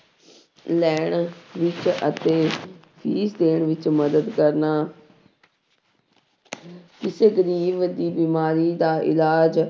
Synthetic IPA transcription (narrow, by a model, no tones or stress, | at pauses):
lɛːɳʋɪt͡ʃət̪eː | pʰiːsd̪eːɳʋɪt͡ʃməd̪əd̪kəɾnaː | kɪseːɡəɾiːbd̪iːbiːmaːɾiːd̪aːʔɪ̰laːd͡ʒ